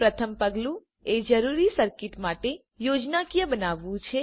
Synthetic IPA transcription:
pɾət̪ʰəmpəɡlũ | ed͡ʒəɾuɾisəɾkiʈmaʈe | jod͡ʒnakijəbənaʋːũt͡ʃʰe

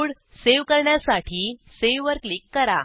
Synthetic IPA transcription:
ɽ | seʋkəɾɳjasaʈʰiːseʋʋəɾklikːəɾa̰

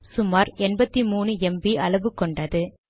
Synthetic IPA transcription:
sʊmaːɾɛnbɐt̪ːimuːnɯɛmbiʔɐɭɐʋɯkːɔɳɖɐðɯ

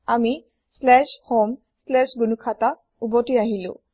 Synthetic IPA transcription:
ami | slɛʃhom | slɛʃɡunukʰata | ubɔtiaɦilʊ̰̃

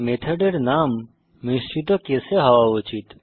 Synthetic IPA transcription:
met̪ʰəɖeɾnaːmː | ist͡ʃit̪okeseɦɐʋaut͡ʃit̪

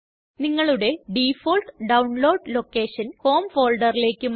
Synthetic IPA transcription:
niŋːɐɭuɽe̞ɖifoːlʈɖɐwɳlo̞ːɖlo̞kːe̞ːɕɐnho̞ːmfo̞ːlɖɐrile̞ːkʲːɨm

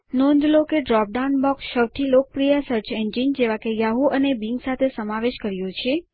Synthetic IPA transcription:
nõnd̪lokeɖɾɔp̚ɖaunbɔksʃəwt̪ʰilokəpɾijasəɾt͡ʃʰend͡ʒind͡ʒeʋakejaɦuʔənebiŋɡsat̪ʰesəmaʋeʃkəɾjõt͡ʃʰe

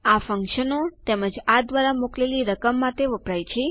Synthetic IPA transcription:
afəŋkʃənot̪ɛməd͡ʒad̪ʋaɾamokleliɾəkəmːat̪eʋəpɾajt͡ʃʰe

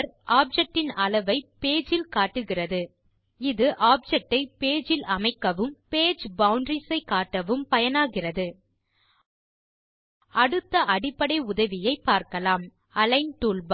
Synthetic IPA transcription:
ɾʔaːp̚d͡ʒɛk̚ʈːɪnɐlɐʋɐɪpeːd͡ʒɪlkaːʈːɯɣɪrɐðɯ | ɪðɯʔaːp̚d͡ʒɛk̚ʈːɐɪpeːd͡ʒɪlɐmɐɪkːɐʋɯmpeːd͡ʒbɐwʊɳɖɾisɐɪkaːʈːɐʋɯmpɐjɐnaːɣɪrɐðɯ | ɐɽɯt̪ːɐʔɐɽɪpːɐɽɐɪʊðɐʋɪjɐɪpːaːɾkɐlaːm | ɐlɐɪnʈuːlb

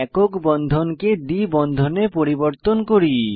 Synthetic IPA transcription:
ɛkokbɔnd̪ʱonked̪ibɔnd̪ʱonepoɾiboɾt̪onkoɾi

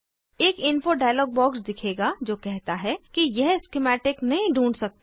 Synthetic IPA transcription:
eːkɪnfoɖaːjəlɔːɡ̚bɔːksd̪ɪkʰeːɡad͡ʒoːkɛɦt̪aɦɛkijɛɦskɪmɛːʈɪknɐɦĩɖʱũːɳɖsɐk̚t̪ː

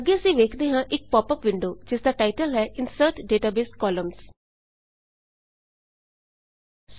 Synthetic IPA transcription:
əɡːeːəsĩːʋeːkʰd̪eːɦãːʔɪk̚pɔːpəpʋɪ̃ɳɖoːd͡ʒɪsd̪aːʈaːɪʈəlɦɛːʔɪnsəɾʈɖeːʈaːbeːskɔːləms | s

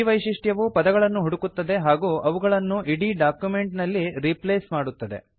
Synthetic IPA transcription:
ʋɐjʃiʂʈjɐʋupɐd̪ɐɡɐɭɐnːuɦuɽukut̪ːɐd̪e̞ɦaːɡuːʔɐʋuɡɐɭɐnːuʔiɽiɖaːkjume̞ɳʈnɐlːiɾipleːsmaːɽut̪ːɐd̪e̞̰

